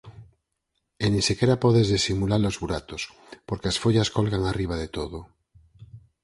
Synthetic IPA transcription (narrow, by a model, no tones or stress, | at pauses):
enĩnsikeɾapoðezðesimulaɾlozβuɾat̪os | poɾkeasfoʎaskolɣaŋariβ̞aðet̪oðo